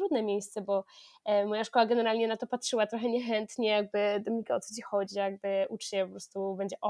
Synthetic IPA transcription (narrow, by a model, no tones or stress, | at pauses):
t̪ɾud̪nɛmʲjejst̪sɛbɔ | mɔjaʂkɔwaɡɛnɛɾalɲɛnat̪ɔpatʂɘwat̪ɾɔxɛɲɛxɛnt̪ɲɛjaɡ̚bɘd̪ɔmʲikaɔt̪sɔt͡ɕixɔd͡ʑijaɡ̚bɘʔut͡ʂt͡ɕɛpɔpɾɔst̪ubɛɲd͡ʑɛʔɔ